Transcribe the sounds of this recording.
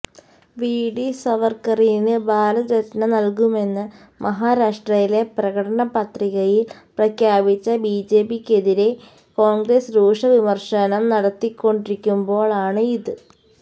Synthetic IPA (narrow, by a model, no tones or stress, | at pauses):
ʋiːɽisɐʋɐrkɐrinɨbʱaːlɐðɾetnɐnɐlkume̞nːɨ | mʔɐɦaːɾaːʂʈrɐjile̞prɐɣɐɽɐɳɐpɐt̪riɣɐjil | prɐkʰjaːbit͡ɕːɐbiːd͡ʑe̞ːbikʲːe̞ðiɾe̞ | koːŋɡresɾuːʂɐʋimɐrʂɐnɐmnɐɽɐt̪ːikʲːo̞ɳɖiɾikʲːumbo̞ːɭaːɳɨiðɨ